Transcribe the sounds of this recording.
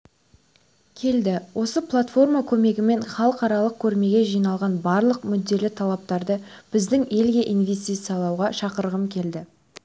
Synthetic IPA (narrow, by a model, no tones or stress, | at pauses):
kʲʰe̞ld̪ɪwʔo̞səplˠat̪fo̞rmakʲʰɵme̞ɡʲɪme̞nχɑlˠəqɑɾɑlˠəq̚kʲʰɵɾme̞ɡʲe̞ʒijnɑlˠʁɑnbɑɾlˠəqmʏd̪ːe̞lɪt̪ʰɑlˠɑp̚t̪ɑɾd̪əb̥ɪzd̪ɪŋe̞lɡʲe̞ʔinvʲe̞s̬t̪ijt̪sɨjɑlˠɑwʁɑʃɑqəɾʁəmkʲʰe̞ld̪ɪ